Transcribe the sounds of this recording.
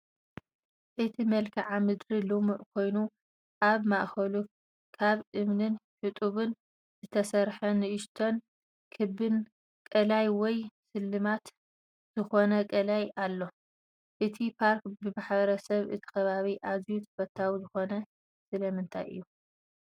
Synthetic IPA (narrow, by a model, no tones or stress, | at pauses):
ʔɨt̪ʰimɐlkʰiʕamɨd̪ɾilomuʔkʰo̞jnu | ʔaβmaʔxɐlu | kʰaβʔɨmnɨnħɨt̪ʼuβɨn | zɨt̪ʰɐsɐɾħɐnɨʔɨʃt̪ʰo̞n | kʰɨbɨn | kʼɐlajwɔjsɨlːɨmat̪ | z̥ɨxo̞nɐkʼɐlajalːo̞ | ʔɨt̪ʰipʰaɾkbɨbaħbɐɾɐsɐβʔɨ̰t̪ʰi̥kɐβaβiʔazjut̪ʰɐ̥fɐt̪ʰːawizɨxo̞nɐ | sɨlɐmɨnt̪ʰa̰jʔɨ̰jːu